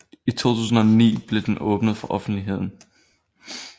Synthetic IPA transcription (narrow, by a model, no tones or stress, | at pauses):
it͡sʰo̝̰ːt͡sʰṵːsn̩ɒnḭːb̥le̝d̥enʔɔ̽ːb̥nəð̩ˠfɒʔɒ̽fn̩d̥liɦe̝ð̞̰ˠn̩